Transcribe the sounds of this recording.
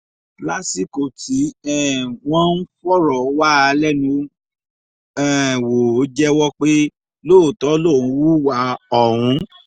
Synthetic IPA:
la˦si˦˨ko˨ti˨˦ɛ˦˨w̃ɔ̃˦n̩˦fɔ˦ɾɔ˨˦wa˦˨˧lɛ˦nũ˦ | ɛ˨wo˨˦d͡ʒɛ˦wɔ˦k͡pe˦ | loː˦˨tɔ˨˦lõ˦˨ũ˨˧˦wu˦wa˨˦ɔ˦˨ɾ̃ũ˨˦

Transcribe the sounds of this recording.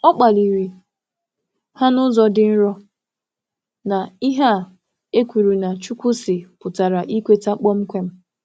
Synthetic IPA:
ɔ˦k͡pa˨li˨ɾi˨ | ha˦nʊ˦zɔ˦dɪ˦n̩˦ɾɔ˦ | na˨i˦ɦa˦˨ | e˦kʷi˨ɾu˨na˨t͡ʃu˦kʷʊ˦sɪ˨pʊ˨ta˨ɾa˨ʔi˦kʷe˦ta˦k͡pɔ˦m̩˦kʷe˦m̩˦

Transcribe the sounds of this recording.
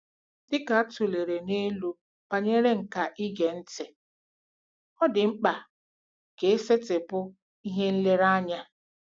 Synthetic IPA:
dɪ˦ka˨a˦tu˨le˨ɾe˨ne˦lu˦ | pa˨ɲe˦ɾe˦ŋ̩˨ka˨ʔi˦ɡe˨n̩˦tɪ˨ | ɔ˦dɪ˨ŋ͡m̩˦k͡pa˨ | ke˨e˦se˦tɪ˨pʊ˦ | i˦ɦe˦n̩˦le˦ɾa˦ɲa˦

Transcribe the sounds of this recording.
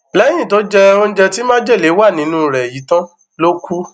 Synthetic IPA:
lɛ˦j̃ĩ˦˨to˨˦d͡ʒɛ˦o˦˧n̩˦d͡ʒɛ˧ti˦mãː˦d͡ʒɛ˦˨le˨˦wa˦˨nĩ˨˦nũ˦˨ɾɛ˨ji˨˦tã˦ | lo˦ku˦

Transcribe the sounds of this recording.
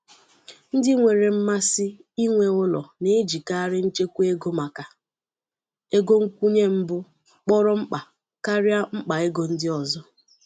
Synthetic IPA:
n̩˦dɪ˦ŋʷe˨ɾe˨m̩˦ma˦sɪ˦i˦ŋʷe˨ʊ˦lɔ̰˨ne˦d͡ʒi˨ka˦ɾɪ˦n̩˦t͡ʃe˦kʷu˦e˦ɡo˦ma˨ka˨ | e˦ɡo˦ŋ̩˦kʷu˦ɲe˦m̩˦bʊ˦ | k͡pɔ˦ɾɔ˦ŋ͡m̩˦k͡pa˨ | ka˦ɾja˦ŋ͡m̩˦k͡pa˨e˦ɡo˨n̩˦dɪ˦ɔ˨zɔ˦

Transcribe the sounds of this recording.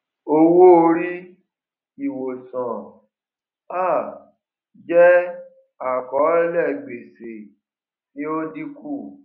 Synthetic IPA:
o˦wo˦o˧ɾi˦ | i˨wo˨sɔ̃˨ | a˦˨ | d͡ʒɛ˦ | a˨kɔ˨˦ɛ˦lɛ˦˨ɡ͡be˨se˨ | kĩ˨˦o˦di˦ku˦˨

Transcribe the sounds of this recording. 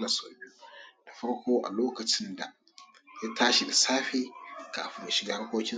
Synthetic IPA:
na˨so̰˨bi˦o˦d̥a˨ɸɐ˦ɽkʷoː˦ʔa̰˨loː˦kɐ˨t͡ʃɪ˦nda̰˨ | ja˦tʰaː˦ʃi˨da˨saː˦ɸeː˦kaː˨ɸi˦me˨ʃi˦ɡa˨ha˦kʷoː˦kʲɪ˦

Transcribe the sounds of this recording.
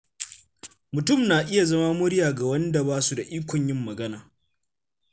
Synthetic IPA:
mʊ˨tʊ˦˨mnaː˨ʔɪ˦ja˨zɐ˦ma˦mʊ˦ɾɪ˦jaː˨ɡa˨wɐ˦nda˨baː˦su˦˨da˨ʔiː˦kʷɔ˨ɲjɪ˦mːɐ˨ɡɐ˦naː˨

